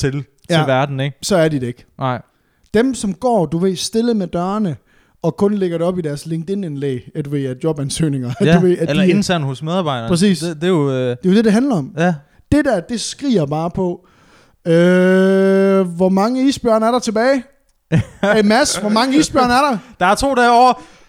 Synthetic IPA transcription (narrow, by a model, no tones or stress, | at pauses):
t͡sʰe̝l | t͡sjʰæeʋæɐd̥n̩eɡ̥sɒ̽æɐdid̥ee̝ɡ̥ | d̥emsɒ̽mɡ̥ɒ̰ːd̥uʋe̝sd̥e̝ləmed̥ɶːɐnə | ɒ̽kʰɔ̽nleɡ̥ɐde̝ɒ̽b̥idæɐsleŋd̥e̝nenlḛːed̥ʋe̝ædjɒ̽b̥ænsø̰ːne̝ŋɐd̥uʋe̝ælɐen̩sæn̰hɔsmeðˠɑ̈ːb̥ɑ̈ɪdɐpʰʁɛs̬ḭːsd̥e̝jod̥e̝jo̝d̥e̝de̝ɦænlɐɒ̽m̰jæ | d̥e̝d̥æɐd̥e̝sɡ̥ʁḭːɐb̥ɑ̈ːpʰɒ̽ | ø | ʋɒmɑ̈ŋəisb̥jɶɐ̰næɐɾɑ̈t͡sʰe̝b̥ɛːɪ | emæsʋɒmɑ̈ŋəiːsb̥jɶɐnæɐɾɑ̈d̥ɑ̈æɐt͡sʰo̝̰ːdɛɒɐ